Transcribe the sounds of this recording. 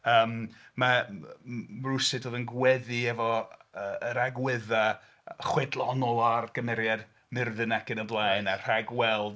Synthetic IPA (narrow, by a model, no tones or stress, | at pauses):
əːmma | rʊsɨdoːðənɡwɛðiɛvɔəəɾaɡwɪða | χwɛdlˠɔnɔlˠarɡ̥əmɛɾjad | mɪrðɨnakɪnəblˠajnar̥aɡwɛlˠd